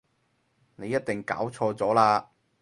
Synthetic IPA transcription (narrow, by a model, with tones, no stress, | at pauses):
ne˨˧jːɐ˥t̚t̪ɪ˨ŋka̰ː˨˥wt͡sʰɔː˧t͡sɔː˨˥laː˧